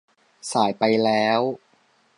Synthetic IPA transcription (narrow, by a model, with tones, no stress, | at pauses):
saː˩˦jpa˧jlɛː˦˥w